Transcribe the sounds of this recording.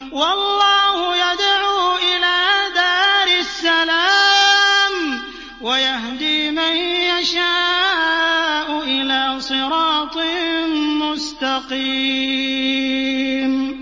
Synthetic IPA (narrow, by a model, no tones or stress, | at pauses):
wɑlˤːɑːhʊjad̪ʕuːʔɪlaːd̪aːɾɪsːala | m | wajahd̪iːmajjaʃa | ʔʊʔɪlaːsˤɨɾɑːt̪ˤ | mʊst̪ɑqi | m